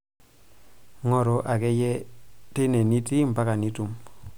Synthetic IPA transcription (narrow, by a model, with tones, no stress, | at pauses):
ŋo˦˨ɾo˦ʔa˨ke˦je˦te˦ne˨ni˦ti˦m˨ba˦ka˨ni˦tu˨m